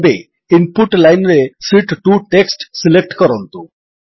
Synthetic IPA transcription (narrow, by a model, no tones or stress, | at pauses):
be | inpuʈlajnɾesiʈʈuʈeksʈsilek̚ʈkəɾont̪u